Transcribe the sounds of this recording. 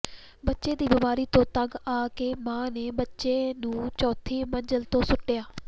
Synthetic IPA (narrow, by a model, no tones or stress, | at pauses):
bətːʃeːd̪iːbɪmaːɾiːt̪õːt̪əɡaːkeːmãːneːbətːʃeːnũːt͡ʃɔːt̪ʰːiːməɲd͡ʒəlt̪õːsʊʈːejaː